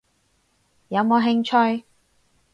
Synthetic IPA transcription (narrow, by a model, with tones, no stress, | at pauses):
jɐ˨˧wmoː˨˧ɦɪ˧ŋt͡ʃʰɵ˥˧ɥ